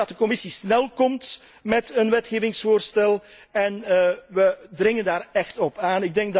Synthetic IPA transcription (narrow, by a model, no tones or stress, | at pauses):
ɑtəkɔmɪsisnɛlˠkɔmt | mɛtənʋɛtxeːvɪŋsfoːrstɛlˠ | ɛnʋədrɪŋəndaːɾɛxtɔpaːnɪɡ̚dɛŋɡ̚d